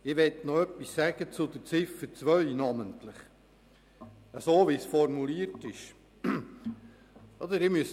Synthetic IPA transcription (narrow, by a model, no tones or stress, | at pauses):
ɪʋɛtnɔœpːisːæɡ̥ət͡sʊd̪ət͡sɪfːət͡sʋœɥnɑməntlɪχ | əsoːʋisfɔɾmuliəɾtɪʃ | ɔd̪əɾɪmyəs